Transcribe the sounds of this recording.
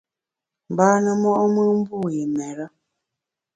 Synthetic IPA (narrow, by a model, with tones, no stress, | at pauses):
m˨baː˦nə˨mɔ˦ʔɔ˦mə˦m̩˦bu˦˨ji˨mɛ˨ɾə˦